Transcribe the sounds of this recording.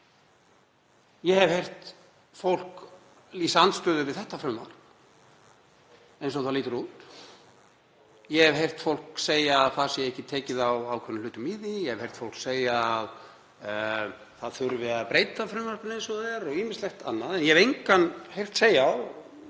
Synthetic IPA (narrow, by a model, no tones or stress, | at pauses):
jɛhɛvhejr̥t̪ | fowl̥k | liːsant̪st̪œːðʏvɪðθɛht̪afɾʏmːa̰r̥kn | ejnsɔθaliːt̪ʏɾuːt̪ | jɛhɛvɦejr̥t̪fowl̥kseːjaːðθasɛɛɛhcɪt̪ʰɛːcɪðawawkʰvɛnːʏlʏːt̪ʏmiðijɛhɛv̥ejr̥t̪fowl̥kseːjaːð | θaðθʏɾvɪðapɾeːjt̪afɾʏːmːar̥kʏnejnsɔðɛɾɔɣiːmɪ̥st̪lɛxt̪anːaðɛnjɛɛvejŋkanhejr̥t̪seːjaw